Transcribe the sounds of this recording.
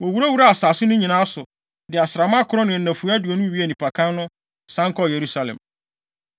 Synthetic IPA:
wɔ˨wu˨ɾa˦wu˨˦ɾa˦a˨saː˨sɪ˦nʊ̃˦ɲĩ˨nã˦sʊ˨ | dɪ˨a˨sɾa˨mã˦kʰʊ˨ɾɔ˦nʊ̃˨næ̃˨fu˨˦a˦du˨ɔ˨nʊ̃˦ɥi˦æ˦˨nĩ˨pʰa˨kʰã˦nnʊ̃˦ | sã˦ŋkʰɔ˦˨je˨ɾu˦sa˨lɛ̰̃˨m

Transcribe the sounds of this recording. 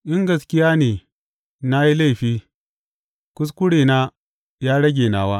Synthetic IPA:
ʔɪ˦ŋɡɐ˨skʲɪ˦jaː˦neː˨ | na˦ji˦la˦˨ɸiː˦ | kʷʊ˦s̬kʷʊ˦ɽeː˨na˦ | jaː˦ɽɐ˦ɡʲeː˨naː˨waː˦

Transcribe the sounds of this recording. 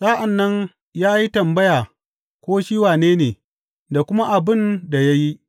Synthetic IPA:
sʼaː˦ʔa˨nːɐ˦n | jaː˦ji˦tɐ˨mbɐ˦jaː˨ | kʷoː˦ʃiː˦waː˨neː˦neː˨ | da˨kʷʊ˦ma˦ʔa˨bɪ˦nda˨ja˦ji˦ʔ

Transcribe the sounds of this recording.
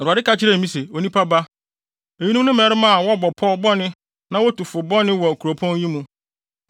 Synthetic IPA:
ɾa˨ɪ˦ka˦t͡ɕʰɪ˦ɾɛ˦˨mĩ˦se˨o˨nĩ˦pʰa˦ba˦ | e˨ɲĩ˦nũ˦nʊ̃˦mɛ˦ɾɪ˦mã˦a˨wɔ˦bɔ˨pʰɔ˦bɔ˦nɪ̃˦ | nã˦wɔ˦tu˨fʊ˨bɔ˦nɪ̃˦wɔ˨kʰu˨ɾo˨pʰɔ̃˦n˦jĩ˦mũ˦

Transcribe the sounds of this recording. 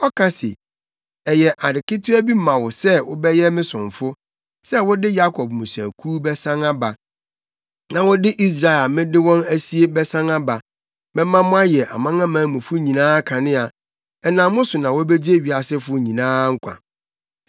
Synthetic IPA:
ɔ˦kʰa˦sḛ˨ | ɛ˨jɛ˨ʔa˨dɪ˨kɪ˦tʰʊ˦æ˦bi˦m˦mã˨wʊ˨sɛ˦wʊ˦bɛ˦jɛ˦mɪ̃˦sʊ̃˨ɱ˨fʊ˦ | sɛ˦wʊ˦dɪ˦ja˦kʰɔ˨b̚mũ˨sã̰˨kʰuː˦bɛ˦sã˦ŋa˦ba˨ | nã˨wʊ˦dɪ˦ʔi˦s̬ɾa˨ɛ˨a˨mɪ̃˦dɪ˦wɔ̃˦næ˦si˦e˦bɛ˦sã˦ŋa˦ba˨ | bɛ̃˦mã˦mʊ̃˦a˦jɛ˨ʔa̰˨mã˦ŋã˦mãː˨˦mʊ̃˨fʊ˦ɲĩ˨nãː˦kʰã˨nɪ̃˦a˨ | ɛ˨nã˨mʊ̃˦sʊ˨nã˨wɔ˦bɛ˦d͡ʑi˦e˦ɥi˨a˨sɪ˦fʊ˦ɲĩ˨nãː˦ŋ̩˦kʷʰa̰˨

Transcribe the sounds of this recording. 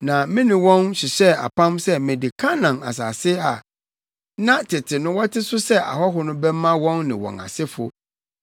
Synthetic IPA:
nã˨mɪ̃˦nɪ̃˨wɔ̃˦nɕɪ˨ɕɛ˦a̰˨pʰã˦msɛ˦mɪ̃˨dɪ˨kʰã˦nã˨na̰˨s̬a̰ː˨sɪ˦a˨ | nã˦tʰɪ˨tʰɪ˨nʊ̃˦wɔ˦tʰɪ˦sʊ˦sɛ˦a̰˨ɦɔ˦ɦʊ˦nʊ̃˦bɛ˦mã˦wɔ̃˦nːɪ̰̃˨wɔ̰̃˨na̰˨sɪ˦fʊ˨

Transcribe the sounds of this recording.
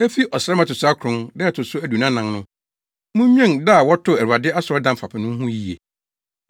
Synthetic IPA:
æ˦fi˦ʔɔ˨sɾɛ˦mã˨tʊ˨sʊ˦a˦kʰʊ̃˦ndɛ˦˨tʰʊ˨sʊ˦æ˦du˨nã˦nã˨nnʊ̃˦ | mʊ̃˦ɲᶣ˦ɛ̃˦nda˦˨wɔ˦tʰʊ˦æ˨ɾu˨a˨dɪ˦a˦sʊ˨ɾɔ˦dã˨m̩˨fa˨pʰɪ˨nʊ̃˦m̩˦ɦũ˦ji˨ḛ˨

